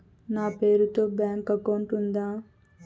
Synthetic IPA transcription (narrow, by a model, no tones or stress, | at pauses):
naːpe̞ːɾut̪o̞ːbjaːŋkɐkːoɳʈund̪aː